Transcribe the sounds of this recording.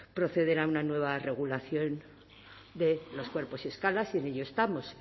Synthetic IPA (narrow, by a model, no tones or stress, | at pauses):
pɾo̞θe̞ðe̞ɾaunanwe̞β̞are̞ɣ̞ulaθjo̞n | d̪e̞lo̞skwe̞ɾpo̞sie̞skalasie̞ne̞ʎo̞est̪amo̞s